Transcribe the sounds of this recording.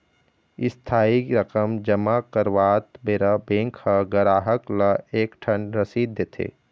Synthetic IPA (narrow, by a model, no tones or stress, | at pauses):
ɪst̪ʰaːiɾɐkəmd͡ʒɐmakəɾʋaːt̪beɾabẽːŋkʰhɐɡɐɾaːɦəklɐeːkʈʰɐnɾɐsiːd̪ʱet̪ʰḛː